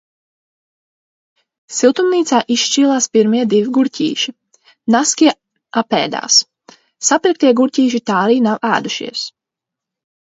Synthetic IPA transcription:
silˠt̪umniːt̪saːʔisʃt͡ʃiːlˠaːspiɾmiɛd̪iviɡuɾcʲʰḭːʃi | naskʲiɛ | apɛ̰ːd̪a̰ːsː | apɾik̚t̪iɛɡuɾcʲiːʃit̪aːɾiːnawæ̰ːd̪uʃḭɛs

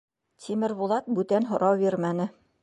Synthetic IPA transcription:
t̪ʲʰimɘ̆ɾbulˠɑt̪̚bʉt̪ænɦŏɾʔɑwbiɾmænɘ

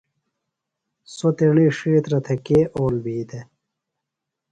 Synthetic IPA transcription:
sot̪eɳiːʂiːt̪ɾɐt̪ʰekeːʔoːlbiːd̪e

